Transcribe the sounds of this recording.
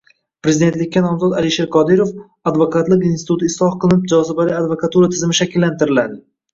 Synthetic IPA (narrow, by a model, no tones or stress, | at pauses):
pɾe̞zɪid̪et̪lɪkʲːanɒmzɒd̪alɪʃeɾqʰɒd̪ɪɾof | ad̪vokat̪lˠɪkinst̪ɪt̪ut̪ɪɪslˠɒhqɨlˠɪnɪp̚d͡ʒɒzɪbalɪad̪vokat̪uɾat̪ʰɪzɪmɪʃakʲɪlːant̪ɪɾɪlad̪ɪ